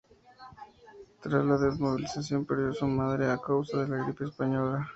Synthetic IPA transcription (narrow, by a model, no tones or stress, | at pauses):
t̪ɾazlaðezmoβilisas̬jo̞mpeɾjosomaðɾeakawsaðe̞laɣɾipeːspaɲo̞la